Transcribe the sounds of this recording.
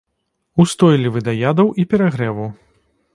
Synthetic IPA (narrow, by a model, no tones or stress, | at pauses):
ust̪ɔjlʲivɨd̪ajad̪ɐwʔipʲɛɾaɣɾɛvu